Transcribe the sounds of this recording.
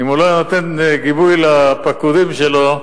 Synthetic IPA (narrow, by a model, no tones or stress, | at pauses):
imulojnot̪enɡibujlapakud̪imʃelo